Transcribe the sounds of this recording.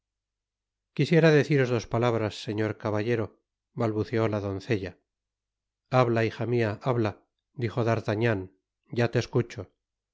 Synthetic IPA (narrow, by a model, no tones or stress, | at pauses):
kisje̞ɾaðe̞θiɾo̞zðo̞spalaβɾasːe̞ɲo̞ɾkaβaʎe̞ɾo̞ | βalβuθeo̞laðo̞nθe̞ʎa | aβlaiχamiaʔaβla | d̪iχo̞ðaɾt̪aɲan | ɟ͡ʝat̪e̞skut͡ʃo